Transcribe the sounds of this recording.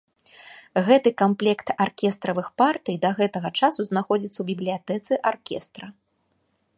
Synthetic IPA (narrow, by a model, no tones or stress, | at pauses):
ɣɛt̪ɨkamplʲɛkt̪arkʲɛst̪ɾɐvɨxpart̪ɨjd̪ɐɣɛt̪ɐɣɐt͡ʂasuznaxɔd͡zʲit̪sːɐwbʲiblʲijat̪ɛt̪sɨʔarkʲɛst̪ɾɐ